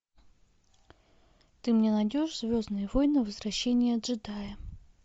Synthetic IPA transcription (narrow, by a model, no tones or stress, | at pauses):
t̪ɨmnʲenɐdʲo̞ʂz̥vʲo̞znɨjəvojnɨvəzɾɐɕːenʲɪjəɐd̪ʐɨd̪ajə